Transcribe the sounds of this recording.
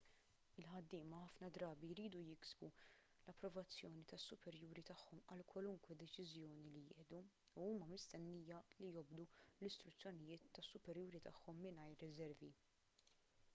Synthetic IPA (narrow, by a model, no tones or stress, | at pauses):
ɪlħɐd̪ːɪːmɐħɐfnɐd̪ɾɐːbiɾiːd̪ujɪɡsbu | lɐpːɾɔvɐt͡sːjɔːnit̪ɐsːʊpɛɾjuːɾit̪ɐħːɔmɐlkwɐlʊŋkwɛd̪ɛt͡ʃɪzjɔːnilijɪ̰ːʔd̪u | uuːmɐmɪst̪ɛnːiːjɐlijɔbd̪ulɪst̪ɾʊt͡sːjɔnɪjɪːt̪ːɐsːʊpɛɾjuːɾit̪ɐħːɔmːɪnɐjɾːɪzɛɾvi